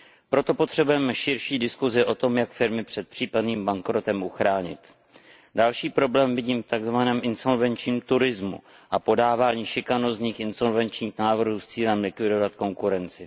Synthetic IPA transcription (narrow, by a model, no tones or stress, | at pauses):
pɾo̞t̪o̞po̞t̪r̝̥ɛbujɛmɛʃɪɾʃiːdɪskuzɪʔo̞t̪o̞mjakfɪɾmɪpr̥ɛt̪̚pr̥iːpadniːmbaŋkɾo̞t̪ɛmʔuxɾaːɲɪ̰t̪ | dalʃiːpɾo̞blɛːmvɪɟiːmft̪aɡzvanɛːmʔɪnso̞lvɛnt͡ʃɲiːmt̪uɾɪzmṵ | ʔapo̞daːvaːɲiːʃɪkanosɲiːxʔɪnso̞lvɛnt͡ʃɲiːxnaːvr̩ɦuːst͡siːlɛmlɪkvɪdo̞vat̪̚ko̞ŋkuɾɛnt͡sɪ